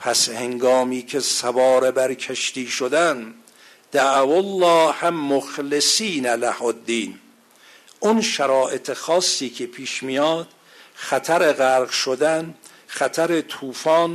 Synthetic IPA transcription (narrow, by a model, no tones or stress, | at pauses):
pʰæsheŋɡɒːmiːkʰesæbɒːɾebæɾkʰeʃt̪iːʃod̪æn | d̪̥æʔwolːɒːhæmmoxlesiːnælæhod̪ːiːn | ʔunʃæɾɒːʔet̪ʰexɒːsːiːkʰepʰiːʃmijɒːd̪̥ | χæt̪ʰæɾeɣæɾɡʃod̪æn | χæt̪ʰæɾet̪ʰuːfɒːn